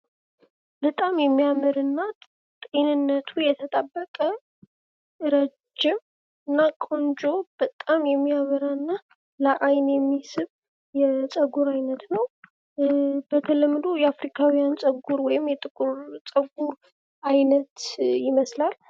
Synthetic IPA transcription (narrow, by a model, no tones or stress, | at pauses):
bət̪ʼamjɛmːijamɨɾɨnːa | t̪ʼe̞nɨnːət̪ʰujɛt̪ʰət̪ʼəbːəkʼə | ɨɾəd͡ʒːɪm | ɨnːakʼond͡ʒo̞b̥ət̪ʼːamjɛmːiaβəɾaɨnːa | ləʔajnjɛmːisɨβ | jɛt͡sʼəɡuɾajnət̪nəw | bət̪ʰəlɨmːd̪ojɛafɾikʰawijant͡sʼəɡuɾwɔjɪmjɛt̪ʼɨkʼɾt͡sʼəɡuɾ | ajnət̪jɪməslal